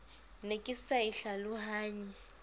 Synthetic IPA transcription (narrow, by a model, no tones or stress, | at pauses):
nekʼɪsaiɬalʊhaːɲi